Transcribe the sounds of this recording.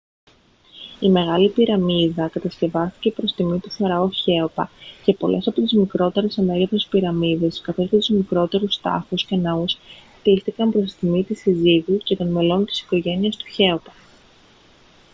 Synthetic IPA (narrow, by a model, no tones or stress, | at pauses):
ime̞ɣɐlipiɾɐmiðɐkɐt̪ɐsce̞vɐst̪ice̞pɾo̞st̪imit̪uθɐɾɐoçe̞opɐce̞po̞lʔe̞sɐpo̞t̪izmikɾo̞t̪e̞ɾesɐneɣɐfe̞spiɾɐmiðe̞skɐθo̞scet̪uzmikɾo̞t̪e̞ɾust̪ɐ̰xuscenɐuskt̪ist̪ikɐmpɾo̞st̪i̥t̪imit̪isiziɣuce̞t̪o̞nme̞lo̞nt̪i̥si̥ko̞ʝe̞niɐst̪u̥çe̞o̞pɐ